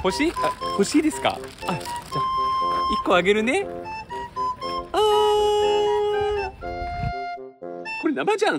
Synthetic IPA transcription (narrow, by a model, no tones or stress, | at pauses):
ho̞ɕiːaho̞ɕiːd̪e̞sɨ̥ka̰ad͡ʑaikːo̞aɡe̞ɾɯ̟ne̞ | aː | ko̞ɾenabad͡ʑã